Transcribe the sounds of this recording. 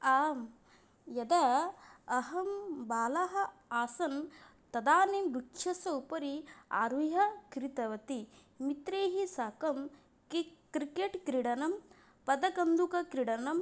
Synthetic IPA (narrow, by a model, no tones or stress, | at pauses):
aːm | jɐd̪ɐː | ɦɐmbaːlɐɦɐ̆aːsɐn | t̪ɐd̪aːnimɾukʂɐsɐwpɐɾia̰ːɾʋiɦɐkɾit̪ɐʋɐt̪i | mit̪ɾeːɦisaːkɐm | kkɾikeʈkɾiɽɐnɐm | pɐd̪ɐkɐnd̪ukɐkɾiɽɐnɐm